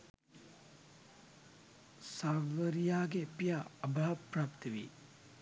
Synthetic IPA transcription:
saʋəɾijaːɡepijaəbʱaɦɐpɾaːpt̪əʋḭ

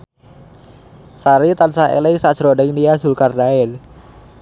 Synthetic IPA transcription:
saɾit̪ansaʔḛlejsaʔsɾɔdɛŋniazulkardaɛl

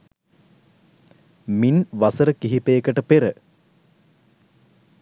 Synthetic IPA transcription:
minʋasəɾəkiɦipeːkəʈəpeɾə

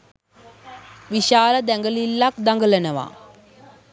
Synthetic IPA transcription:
ʋiʃaːləd̪æŋɡəlilːak̚d̪aŋɡələnəʋa̰

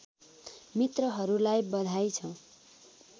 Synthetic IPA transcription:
mit̪rʌɦʌɾulajbʌd̪ʱajt͡sʰʌw̃

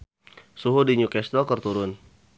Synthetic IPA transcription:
suɦudiɲukɛst̪ɾokərt̪uɾʊn

